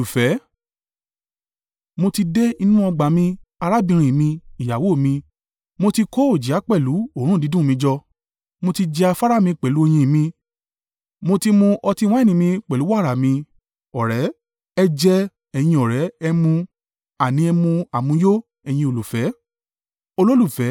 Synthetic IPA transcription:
fɛ˨˦ | mo˧ti˧de˦i˧nũ˦ɔ˧ɡ͡ba˨mĩ˧a˧ɾa˦bĩ˧ɾ̃ĩ˨mĩ˧i˨ja˨wo˨˦˨mĩ˧ | mo˧ti˧ko˦o˦˨d͡ʒi˨˦a˨˦k͡pɛ˦˨lu˨˦o˦˨ɾ̃ũ˦˨di˨˦dũ˦˨mĩ˧d͡ʒɔ˧ | mo˧ti˧d͡ʒɛ˧a˧fa˦ɾa˦˨mĩ˧k͡pɛ˨lu˨˦e˧j̃ĩ˧˨mĩ˧ | mo˧ti˧mõ˧ʔɔ˧ti˧w̃ã˦˨nĩ˧˨mĩ˧k͡pɛ˨lu˨˦wa˦˨ɾa˨mĩ˧ | ɔ˨ɾɛ˨˦ | ɛ˧d͡ʒɛ˧ | ɛ˨j̃ĩ˧ɔ˨ɾɛ˨˦ɛ˧mũ˧ | a˨nĩ˨˧ɛ˧mũ˧a˨mũ˧˦jo˦ | ɛ˧˨j̃ĩ˧o˧˨lu˨fɛ˨˦ | o˧lo˦lu˦˨fɛ˨˦

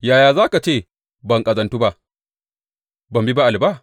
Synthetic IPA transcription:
jaː˨jaː˨zaː˦ka˨t͡ʃeː˦˨ | bɐ˨ŋkʼɐ˨zɐ˨ntuː˦ba˦ʔ | bɐ˨mbi˦ba˦ʔa˨lba˦˨

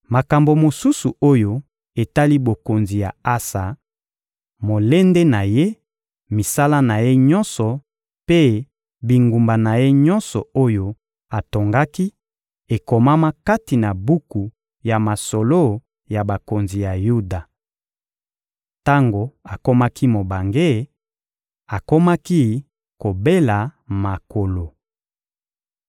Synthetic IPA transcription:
ma˨ka˨mbo˨mo˨su˦su˨o˦jo˦ | e˨ta˦li˦bo˨ko˨nzi˨ja˨a˦sa˨ | mo˨le˦nde˦na˨je˦ | mi˨sa˦la˦na˨je˦ɲɔ˦nsɔ˨ | pe˦ | bi˨ŋɡu˨mba˨na˨je˦ɲɔ˦nsɔ˨o˦jo˦ | a˨to˨ŋɡa˦ki˦ | e˨ko˨ma˦ma˦ka˦ti˨na˨bu˦ku˨ | ja˨ma˨so˨lo˦ | ja˨ba˨ko˨nzi˨ja˨ju˦da˨ | ta˦ŋɡo˨a˨ko˦ma˦ki˦mo˨ba˨ŋɡe˦˨ | a˨ko˦ma˦ki˦ | ko˨be˦la˨ma˨ko˨lo˨

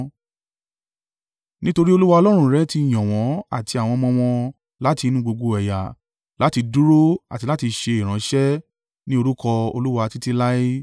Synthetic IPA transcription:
nĩ˦to˧ɾi˦o˧lu˦wa˧ɔ˧lɔ˦ɾ̃ũ˧ɾɛ˨˦ti˧i˨j̃ɔ̃˨w̃ɔ̃˨˦a̰˨ti˧a˨w̃ɔ̃˧mɔ̃˧w̃ɔ̃˧ | la˦ti˧nũ˦ɡ͡bo˧ɡo˧ɛ˨ja̰˨ | la˨˦ti˧du˦ɾo˦a̰˨ti˧˦la˦ti˧ʃe˧i˨ɾ̃ã˨˦ʃɛ˦ | nĩ˦o˧ɾu˦kɔ˧o̰˧lu˦wa˧ti˦ti˦la˦i˦

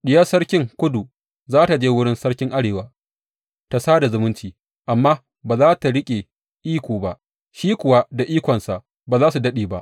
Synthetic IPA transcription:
ɗɪ˨˦ja˦sɐ˦ɽkʲɪ˦ŋkʷʊ˦du˨ | zaː˦ta˨d͡ʒeː˦wʊ˦ɽɪ˦nsɐ˦ɽkʲɪ˦ŋʔa˦ɽeː˨waː˦ | ta˨saː˦da˨zʊ˨mʊ˦nt͡ʃiː˨ | ʔa˨mːaː˦ | baː˨zaː˦ta˨ɽɪ˦kʲʼe˨ | ʔiː˦kʷoː˨ba˦˨ʔ | ʃiː˦kʷʊ˨wa˦da˨ʔiː˦kʷɔ˨nsa˨ʔ | baː˨zaː˦su˨dɐ˦ɗeː˨ba˦ʔ

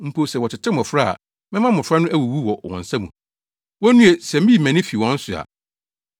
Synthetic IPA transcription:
m̩˦pʰo˦sɛ˨wɔ˨tʰɪ˨tʰɪ˦mɔ̃˨fɾa˦a̰˨ | mɛ̃˦mã˦mɔ̃˨fɾa˦nʊ̃˦ʔæ˦wu˨wu˦wɔ˨wɔ̰̃˨n˨sã˦mũ˨ | wɔ˦nũ˦e˨sɛ˨m̩˦i˦˨mæ̃˨nɪ̃˦fi˨wɔ̃˦n̩˦sʊ˨a̰˨

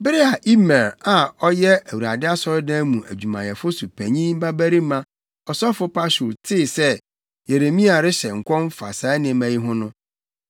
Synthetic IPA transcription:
bɪ˦ɾɪ˦a˨ʔi˦mɛ˨ɾa˨ɔ˦jɛ˦æ˨wu˨ɾa˨dɪ˦a˦sɔ˦ɾɪ˦dã˦mũ˨ʔæ̰˨d͡ʑᶣu˨mã˨jɛ˨fʊ˦su˨pʰæ̃˨ɲĩ˦m̩˦ba˦bæ˦ɾi˦mã˦ | ɔ˨sɔ˦fʊ˦pa˦su˨ltʰɪ˦˨sɛ˦ | je˨ɾe˨mĩ˦a˨ɾɪ˦ɕɛ˨ŋ̩˨kʷʰɔ̃˦m˦fa̰˨sa˨˦nɪ̃˨˦mæ̃˦ji˦ɦʊ̃˦nʊ̃˦

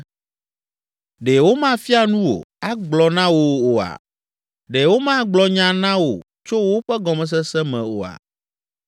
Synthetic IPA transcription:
ɖɛ˨wo˦mã˦fi˦a˨nũ˦wo̰˨a˦ɡ͡blɔ˨nã˦wo˦o˨a̰˨ | ɖe˨wo˦mã˦ɡ͡blɔ˦ɲã˨nã˦wo̰˨ | t͡ʃo˦wo˦ɸɛ˦ɡɔ˨mɛ̃˨s̬ɛ˦sɛ˦mɛ̃˨o̰˨a̰˨

